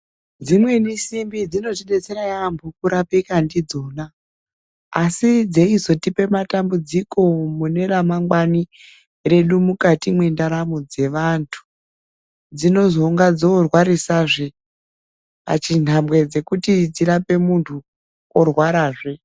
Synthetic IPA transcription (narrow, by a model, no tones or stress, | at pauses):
d͡zimwe̞nisimbid͡zino̞tiɗet͡se̞ɾajambʰʱukuɾapekandid͡zo̞naː | sid͡ze̞izo̞tipe̞matambud͡ziko̞mune̞ɾamaŋɡwani | re̞ɗumukatimwe̞ndaɾamod͡ze̞ʋantʰu̥ | d͡zino̞zo̞ŋɡad͡zoːrwaɾisaʐe | pa̰t͡ʃin̤amwe̞d͡ze̞kutid͡ziɾape̞muntʰu | orwaɾaːʐe